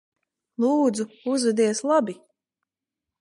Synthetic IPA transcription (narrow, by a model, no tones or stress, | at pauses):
lˠuːd̪zuuzvɛd̪iɛslˠabi